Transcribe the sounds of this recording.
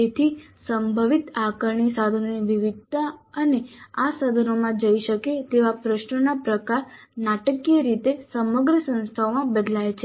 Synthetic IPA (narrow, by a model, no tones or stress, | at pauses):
d͡ʒet̪ʰi | səmbʱəʋit̪akəɾɳisad̪ʱənoniʋiʋid̪̚t̪aəneasad̪ʱənomãd͡ʒəiʃəket̪eʋapɾəʃnənapɾəkaɾnaʈəkijəɾit̪esəməɡɾəsə̃nst̪ʰaomãbəd̪lajet͡ʃʰe